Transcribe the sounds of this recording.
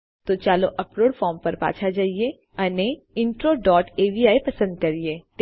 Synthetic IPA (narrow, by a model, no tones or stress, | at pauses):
t̪ot͡ʃaːloʔɐpɾoːɽfʰɔːɾmpɐɾpa̰ːt͡ʃʰad͡ʒaːie | ɐne | ɪ̃ɳʈɾoːɖɔːʈeːʋiaːipɐsə̃nd̪̚kɐɾieːʈ̪